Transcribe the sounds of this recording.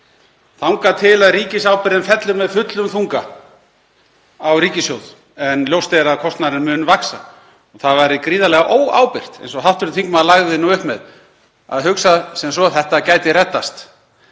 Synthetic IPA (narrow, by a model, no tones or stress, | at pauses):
θawŋkat̪ʰɪlaðriːcɪsawpɪɾðɪnfɛt̪lʏɾmɛðfʏt̪lʏmθuŋka | awɾiːcɪsjowð | ɛnljowst̪eɾaðkʰɔst̪naɾɪnmʏːnvaksa | ɔɣθaðvaɾɪkɾiːðalɛɣaʔoːwa̰ːwpɪr̥t̪ḛjnsɔɦaw̥ht̪ʏɾʏt̪θiŋkmɛðalaɣðɪnuʏhpmɛð | a̰ðɦʏksasɛms̬ɔθɛht̪acaːjt̪ɪɾɛt̪ːast̪